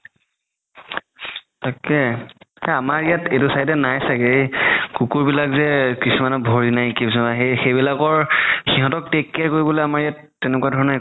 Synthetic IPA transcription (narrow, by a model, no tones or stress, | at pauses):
takɛɛamaɹijatetusajdɛnajsakeɹikukuɹbilakzɛkisumanɔbʱoɹinajkibsɔnaxexejbilakɔɹxiɦɔ̃tɔk̚tekːɛkoɹibɔlejamaɹijatːɛnɛkuadʱɔɹɔna